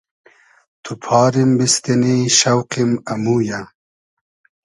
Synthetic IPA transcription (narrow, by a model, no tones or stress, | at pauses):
t̪ʰupʰɑːɾimbist̪eniʃɐwqimɐmuːja